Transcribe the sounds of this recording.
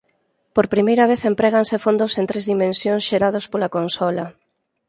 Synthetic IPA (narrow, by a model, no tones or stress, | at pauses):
poɾpɾimejɾɐβ̞eθempɾeɣ̞ansefond̪ʊsent̪ɾezðimẽnsjonsʃeɾaðospolakonsɔla